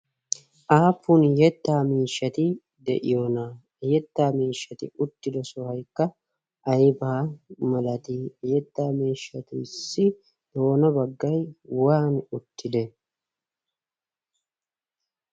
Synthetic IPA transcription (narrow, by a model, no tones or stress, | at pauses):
ʔaːpːʊnjɛt̪ːaːmiːʃːɐt̪ɪ | d̪ɛ̰ʔɪ̰joːnaː | jɛt̪ːaːmiːʃːɐt̪ɪʊt̪ːɪd̪ɛsɔhɐjkːɐ | ʔɐjbaːmɐlɐt̪ijɛt̪ːaːmiːʃːɐt̪ɪsːɪ | d̪̥o̞ːnɐbɐɡːɐjwaːnʊt̪ːɪd̪ɛ